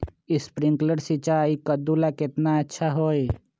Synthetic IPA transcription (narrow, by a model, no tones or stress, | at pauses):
ɪspɾɪ̃ŋkləɽsit͡ʃaːikəd̪ulakɪt̪naɐtːʃʰaɦoːe